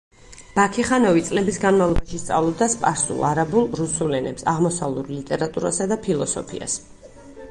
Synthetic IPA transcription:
b̥akʰiχanɔvit̪sʼlɛbisɡanmavlˠɔbaʃist̪sʼa̰vlˠɔb̚d̪aspʼaɾsṵlˠaɾabulˠɾusulɛnɛ̰psaʁmɔsavlˠuɾlit̪ʼɛɾat̪ʼuɾa̰sad̪apʰilˠɔsɔ̰pʰḭa̰s

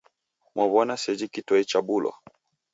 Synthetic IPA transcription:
mʔɔβɔnasɛd͡ʒikitɔit͡ʃabulɔ̰

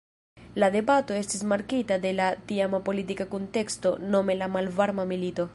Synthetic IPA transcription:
lad̪ebat̪oest̪izmaɾkit̪ad̪elat̪iamapolit̪ikakunt̪ekst̪onomelamalvaɾmamilit̪o

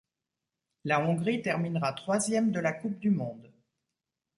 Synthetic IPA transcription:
laɔ̃ɡʁit̪ɛʁminʁat̪χwazjɛmd̪əlakup̚d̪ymɔ̃d̪

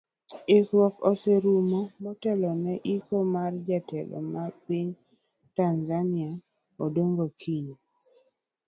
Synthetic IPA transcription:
ɪkwɔkɔsɛɾumomɔtɛlɔnɛʔikomard͡ʒatɛlɔ̰mapiɲ | tanzania | odoŋɡokʰiɲo

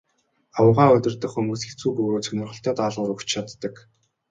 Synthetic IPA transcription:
awəʁaːɵt̪ʲɪ̆rt̪ə̆χumuːsxet͡suːpɵɣoːt͡sʰɵnʲɪ̆rʁɞ̆ɬt̪ʰœːt̪aːɮʊːɾɵxt͡ɕt͡ɕʰat̪ːə̆k

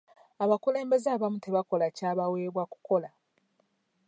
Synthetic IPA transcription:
aβakule̞ːmbe̞zaβamute̞βako̞lacaːβawe̞ːβwaku̥ko̞la

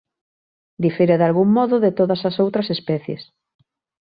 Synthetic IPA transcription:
d̪ifeɾeðalɣuŋmɔðʊðet̪oðɐsɐsowt̪ɾɐsespɛθjḛs

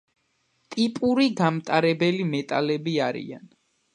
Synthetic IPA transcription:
t̪ʼipʼuɾiɡamt̪ʼaɾɛbɛlimɛt̪ʼalɛbiaɾḭa̰n

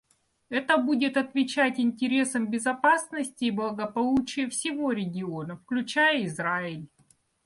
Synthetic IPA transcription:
ɛt̪əbudʲɪt̪ɐt̪vʲɪt͡ɕætʲɪnʲtʲɪɾʲe̞səmbʲɪzɐpasnəsʲtʲɪːblˠəɡəpɐlˠut͡ɕɪjəfsʲɪvo̞ɾʲɪɡʲɪo̞nəfklʲʉt͡ɕæjəɪzɾaɪlʲ

